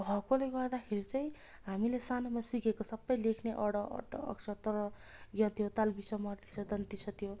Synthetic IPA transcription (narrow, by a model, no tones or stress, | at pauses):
ɦʌkoleɡʌrd̪akʰeɾit͡saĩ | ɦamilesanomasikekosʌbːʌjlekʰneʔʌɽʌʔʌ̰ʈʌ̰ːksʰʌt̪ʌɾʌ | ɡʌ̃t̪ʰijot̪albisʌmʌrt̪i̥sʰʌd̪ʌnt̪isʰʌt̪ʰijo